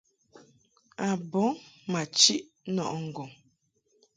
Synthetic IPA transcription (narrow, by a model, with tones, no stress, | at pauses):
a˨bɔ˨˦ma˨t͡ʃi˦ʔ | nɔ̰˨ʔŋ̩˨ɡɔ˨ŋ